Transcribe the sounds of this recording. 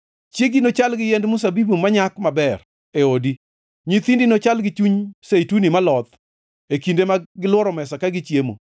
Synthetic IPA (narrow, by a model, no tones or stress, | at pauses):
t͡ʃjeɡinot͡ʃalɡɪjɛndmʊs̬abibumaɲakmabɛr | eodi | ɲit̪indinot͡ʃalɡɪt͡ʃuɲsejtunimalɔt̪ | ekindemaɡɪlwɔɾɔmɛsakaɡɪt͡ʃjemo̰